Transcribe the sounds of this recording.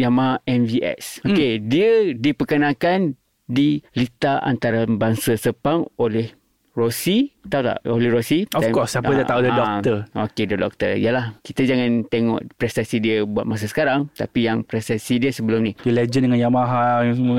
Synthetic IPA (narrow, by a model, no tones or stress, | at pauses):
jamaɦaʔɛnviʔɛ̰sokediədipəkənãkan | dilit̪aʔa̰nt̪aɾabaŋsasəpaŋolɛh | rosit̪at̪a̰ʔolɛhɾosiɔkɔsaədaaudədɔəo̰kedədɔ̰k̚t̪əḭjəlahkit̪əd͡ʒaŋãnt̪eŋɔ̰̃ʔpɾɛst̪asidiəbuat̪̚mas̬asə̥kaɾaŋt̪a̰pijaŋpɾɛst̪asidiəsəbəlʊmnidəled͡ʒəndəŋãnjamaɦajaŋsəmu